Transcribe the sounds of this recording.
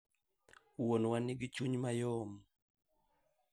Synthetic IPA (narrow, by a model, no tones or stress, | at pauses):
wonwaniɡɪt͡ʃuɲmajɔm